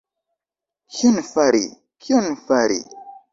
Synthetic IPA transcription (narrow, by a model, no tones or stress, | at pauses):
kʰionfaɾḭ | kʰiɔnfaɾḭ